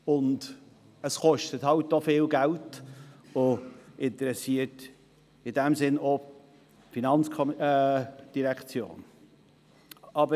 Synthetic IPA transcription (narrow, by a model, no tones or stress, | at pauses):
ʊnd | əsχɔʃtəthɑltːofɪːlɡælt | ʊʔɪntəɾɛsiət | ɪdɛmsɪno | finɑnt͡skʰɔm | d̥iɾɛkt͡sjo̰ːn | ɑbə